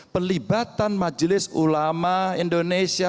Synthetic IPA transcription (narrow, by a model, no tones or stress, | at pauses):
pərlibat̪anmad͡ʒlɪsulamaindonesia